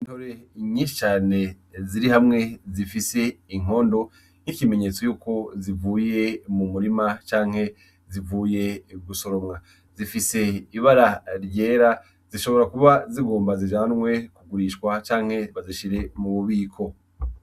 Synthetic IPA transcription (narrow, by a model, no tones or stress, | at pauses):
intoɾeɲiːnʃi̥t͡ʃaːne̞ | ziɾihamŋe̞zifise̞iŋ̥o̞ːndo̞ | nikime̞ɲe̞t͡so̞juːko̞zivuːje̞mumuɾimat͡ʃaːŋhe̞ | zivuːje̞ɡuso̞ɾo̞mŋa | zifise̞iβaɾaɾɟe̞ːɾa | ziʃo̞βo̞ɾakuβaziɡo̞ːmbaziʒaːnwe̞kuɡuɾiʃkwat͡ʃaːŋ̥he̞βaziʃiɾe̞muβuβiːkʰo̞